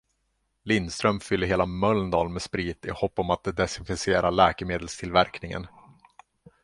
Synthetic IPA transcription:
lɪnd̪st̪ɾœmfʏlːəɾɦeːlamœlnd̪ɑːlmɛspɾiːt̪ɪhɔpːɔmat̪̚d̪ɛsɪnfɪseːɾʔaɭɛːkɛmeːd̪əlst̪ʰɪlvæɾknɪŋə̰n

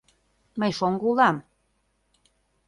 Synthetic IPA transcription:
məjʃoŋɡulɑm

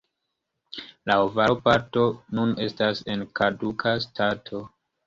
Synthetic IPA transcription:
laovaopaɾto̞nune̞stase̞nkadukʰastʰatʰo̞

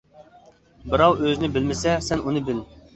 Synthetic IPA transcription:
bɨɾɑwøzɪnɪbɪlmɪsɛsɛnunɨbɪl

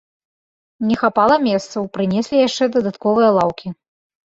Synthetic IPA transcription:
nʲɛxapalˠɐmʲɛst̪sɐwpɾɨnʲesʲlʲijaʂt͡ʂɛd̪ɐd̪at̪kɔvɨjɐlˠawkʲi

